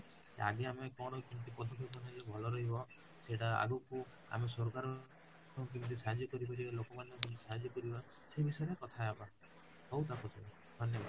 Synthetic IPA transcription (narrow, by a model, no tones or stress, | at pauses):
a̰ɡiamekɔɽ̃ɔkint̪ipɔd̪ʱɔkʰikɔned͡ʒebʱɔlɔɾɔɦibɔ | seʈaa̰ɡuku | a̰mesɔɾkaɾɔ | kɔk̬int̪̬usaɦad͡ʒjɔkɔɾibad͡ʒibalokɔmanjɔk̬int̪i̥saɦad͡ʒjɔkɔɾiba | sebisɔeɾekɔt̪ʰaeaba | howt̪akɔt͡ʃʰe | d̪ʱɔnjɔbʱa